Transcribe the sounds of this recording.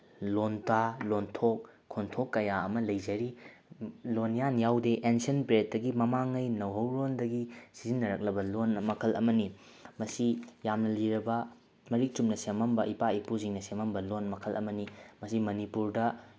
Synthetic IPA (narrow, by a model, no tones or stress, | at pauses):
lontalontʰok̚ʰː | ontʰokːɐjaɐmɐlɐjzɐɾi | lonjanjawdeʔensiɐnpɾet̚dɐɡimɐmaŋːɐjnɐwɦɐwɾondɐɡisizinːɐɾɐk̚lɐbɐlonmɐkʰɐlʔɐ̰mɐni | mɐsijamnɐliɾɐbɐ | mɐɾik̚tumnɐsemɐmbɐʔipaipuziŋnɐsemɐmbɐlonmɐkʰɐlʔɐ̰mɐnimɐsimɐnipuɾdɐ